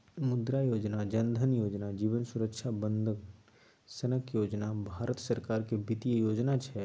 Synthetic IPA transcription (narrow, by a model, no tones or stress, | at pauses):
mʊd̪ɾajoːd͡ʒnad͡ʒɐnd̪ʱənjoːd͡ʒnad͡ʒiːʋənsʊɾəkʃʰabə̃nd̪ʱəɡ | sənəkjoːd͡ʒnabʱaːɾət̪sɐɾkaːɾkebɪt̪ijəjoːd͡ʒnat͡ʃʰɛ